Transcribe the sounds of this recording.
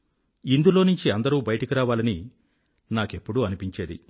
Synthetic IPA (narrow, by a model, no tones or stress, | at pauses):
ind̪ulo̞ːnuɲt͡ʃiɐnd̪ɐɾuːbɐjɐʈɐkiɾaːʋaːlɐni | naːke̞pːuɽuɐnipiɲt͡ʃe̞ːd̪ḭ